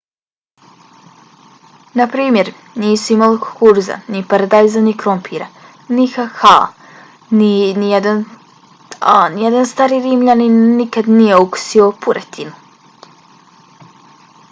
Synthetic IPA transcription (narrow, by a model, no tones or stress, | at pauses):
napɾiːmjeɾ | niːsuimalikuɾza̰nipaɾad̪ajzanikɾompʰiɾa | nixaxa̰ | ninijed̪an | anijed̪anst̪aːɾiːɾiːmʎaninːikad̪nijeuku̥siopuɾet̪ʰinu